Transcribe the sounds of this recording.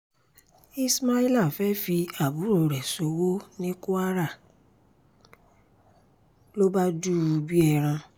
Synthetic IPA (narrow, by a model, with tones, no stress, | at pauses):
i˧sma˧i˧la˦˨fɛ˨˦fi˧a˨bu˨˦ɾo˨ɾɛ˨so˨wo˦nĩ˦ku˦a˦ɾa˦˨ | lo˦ba˦du˦u˧bi˦ɛ˦˧˨ɾ̃ã˧